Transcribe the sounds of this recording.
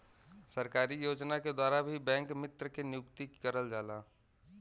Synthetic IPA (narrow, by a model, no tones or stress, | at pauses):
səɾkaːɾijoːd͡ʒnaked̪waːɾabʱibɛ̃ːŋkmɪt̪ɾəkenɪjʊkt̪ikəɾəld͡ʒaːlaː